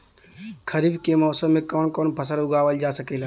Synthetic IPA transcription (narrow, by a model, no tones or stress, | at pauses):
kʰəɾiːbkemɔːsəmːẽkɔːnkɔːnpʰəsəɾʊɡaːʋəld͡ʒaːsəkel